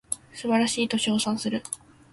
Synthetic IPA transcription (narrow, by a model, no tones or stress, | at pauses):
sɨbaɾaɕiːt̪o̞ɕo̞ːsãɰ̃sɨɾɯ̟